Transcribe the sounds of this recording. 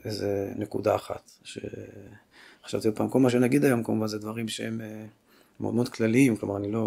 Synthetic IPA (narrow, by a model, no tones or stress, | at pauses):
ezenekud̪aːχa̰t̪ | ʃḛ | χḁʃa̰vt̪iot̪̚paːmkolmaʃ̬enaɡid̪ajomkamuvanzed̪vaʁimʃeeme | mo̰dmod̪klaliimklomaʁanilo̞